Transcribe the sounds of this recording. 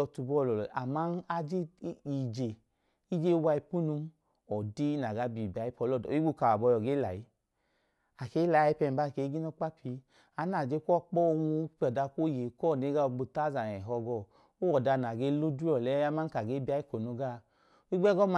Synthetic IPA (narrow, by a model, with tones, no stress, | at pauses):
ɔ˧tu˧bɔ˦˧˨lɔ˨a˨ma˦na˧d͡ʒi˦i˨d͡ʒe˨ | i˦d͡ʒe˦wa˧i˧pu˦nu˧˦m˦ | ɔ˨di˦na˨ɡa˨˦bi˨bi˨a˨˦i˦pɔ˧˦lɔ˦˨˦i˦ɡ͡bu˦˧ka˨a˨bɔ˧jɔ˨ɡe˦la̰˨ji˦ | a˨ke˨˦la˨˦˨i˦pɛ˧m˨ba˦˨ke˨˦ɡi˦no˦k͡pa˦pi˧ | a˨˦na˨d͡ʒe˦kɔ˦k͡pɔ˦˧wu˧˦pɔ˨da˧ko˦˨je˨˦kɔ˦˨ne˨˦ɡa˦o˧ɡ͡bu˧ta˦za˨nɛ˨ɦɔ˧ɡɔ˧˨ | o˦wɔ˨da˧˨na˨ɡe˦lu˦du˦ɔ˨lɛ˦ja˦ma˦n˦ka˨ɡe˦ba˧˦i˦ko˨no˧ɡa˦ | i˦ɡ͡bɛ˦ɡɔ˦m˨